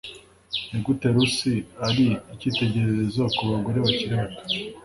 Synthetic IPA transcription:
niɡuteɾusiaɾiːcite̞ɟe̞ɾeɾezokuβaɡoɾeβaciɾeβato̥

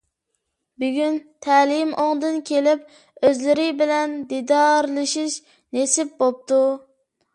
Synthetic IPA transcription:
byɡʲynt̪ʰɛlɪmʔoŋd̪ɨnkʲʰelɪp̚ | øzlɪɾɪbɪlɛnd̪id̪ɑɾlˠɨʃiʃ | nesɪp̚bop̚t̪u

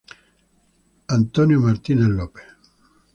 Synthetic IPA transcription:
ant̪onjomart̪inalːɔːpe̥

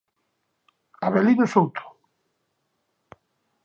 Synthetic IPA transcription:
aβeliðʊsowt̪ʰo̥

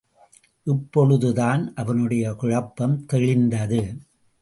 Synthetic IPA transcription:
ʔɪpːɔɻɯðɯðaːnʔɐʋɐnɯɽɐjɐkʊɻɐpːɐmt̪ɛɻɪnd̪ɐðɯ

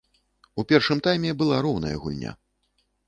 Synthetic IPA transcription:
upʲɛrʂɨmt̪ajmʲɛbɨlˠaɾɔwnɐ̰jɐ̰ɣṵlʲnʲa̰

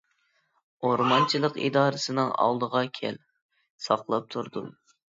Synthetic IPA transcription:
oɾmɑnt͡ʃʰilˠəqḭd̪ɑːɾɨsɨnɨŋɑ̰lˠd̪əʁɑkʲʰɛ̰l | sɑqlˠɑp̚t̪ʰuɾd̪ṵm

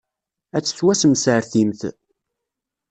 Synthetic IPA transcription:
æt͡sːə̥θwæsəmsəɾθimθ

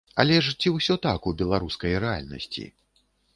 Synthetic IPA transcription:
ɐlʲɛʂt͡sʲiwsʲɔt̪akubʲɛlˠaɾuskɐjɾɛa̰lʲnɐ̰sʲt͡sʲḭ

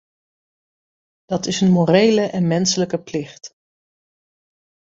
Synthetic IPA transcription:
d̥ɑtɪsənmorejləʔɛnmɛnsələkəplɪχt

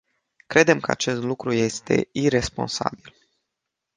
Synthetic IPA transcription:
kɾʔe̞d̪e̞mkəa̰t͡ʃe̞st̪lukɾuje̞st̪e̞̰iɾe̞spo̞̰nsa̰bil

